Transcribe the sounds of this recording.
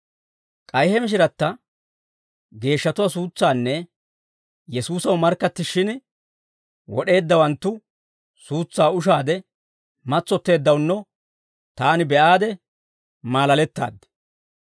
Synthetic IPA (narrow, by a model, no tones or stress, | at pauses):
kʼɐjhɛmɪʃ̬ɪɾɐt̪ːɐ | ɡe̞ːʃːɐt̪ʊwas̬uːt͡sːaːnːɛ | jɛsuːsɐwmɐɾkːɐt̪ːɪʃɪn | wɔɗe̞ːd̪ːɐwɐnt̪ːʊ | suːt͡sːaːʊʃ̬aːd̪ɛ | mɐt͡sːɔt̪ːe̞ːd̪ːɐwnːɔ | t̪aːnɪbɛʔaːd̪ɛ | maːlɐlɛt̪ːa̰ːd̪ːɛ̥